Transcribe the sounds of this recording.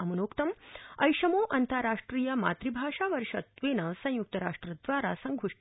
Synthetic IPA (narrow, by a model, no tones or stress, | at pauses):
ɐmɐnoːkt̪ɐmɐjʂɐmoːʔɐnt̪ɐɾaːʂʈɾijɐma̰ːt̪ɾibʱaːʂaːʋɐɾʂɐt̪ʋeːnɐsɐ̃juk̚t̪ɐɾa̰ːʂʈɾɐd̪ʋaːɾa̰sɐŋɡʱuʂ